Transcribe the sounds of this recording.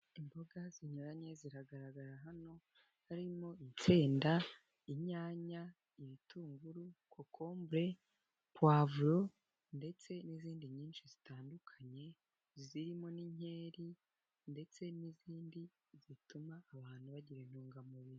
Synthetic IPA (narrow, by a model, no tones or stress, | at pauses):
imbo̞ɡaz̥iɲoɾaɲe̞ziɾaɡaɾaɡaɾaɦano̞ | haɾimo̞int͡seːnda | iɲaːɲa | iβitʰuːŋɡuɾukokʰo̞ːmbɾe̞ | pwaːvuɾo̞ | nde̞t͡se̞niziːndiɲiːnʃizitaːndukʰaɲe̞ | ziɾimo̞niɲe̞ːɾi | nde̞t͡se̞niziːndi | zitumaːβaːn̥huβaɟiɾen̥huːŋɡamuβiɾi